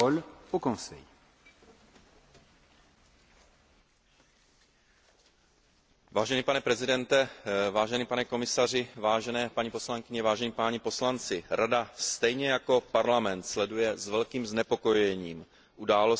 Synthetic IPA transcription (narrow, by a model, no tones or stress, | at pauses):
olpokonsɛ̰j | vaːʒɛniːpanɛpɾɛzɪdɛnt̪ɛvaːʒɛniːpanɛko̞mɪsar̝ɪvaːʒɛnɛːpaɲipo̞slaŋkɪɲɛvaːʒɛɲiːpaɲɛpo̞slant͡sɪɾʔadast̪ɛjɲɛjako̞paɾlamɛnt̪slɛdujɛzvɛlkiːmznɛpo̞ko̞jɛɲiːm | ʔudaːlo